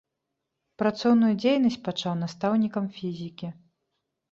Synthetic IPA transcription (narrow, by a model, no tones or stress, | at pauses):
pɾat̪sɔwnujud͡zʲejnɐsʲt͡sʲpat͡ʂawnast̪awnʲikɐmfʲizʲikʲi